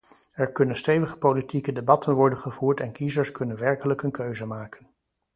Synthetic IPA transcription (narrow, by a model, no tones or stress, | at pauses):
ɛɹkɵnənstejʋəχə̥politikədebɑtʰənʋɔɹdənχəv̥uːɹtɛnkizəɹskɵnənʋɛɹkələkənkøɥzəmaːkən